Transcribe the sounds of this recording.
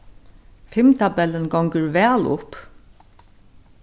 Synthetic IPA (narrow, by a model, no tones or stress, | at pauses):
fɪmt̪ʰabɛlːɪnɡɔwŋkəɹʋɛːlʊ̰p